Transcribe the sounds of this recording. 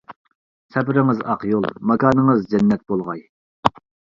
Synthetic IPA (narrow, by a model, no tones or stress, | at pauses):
sɛpɪɾɪŋɨzɑqjolˠmɑkʰɑːnɨŋɨzd͡ʒɛnːɛt̪̚bolˠʁɑj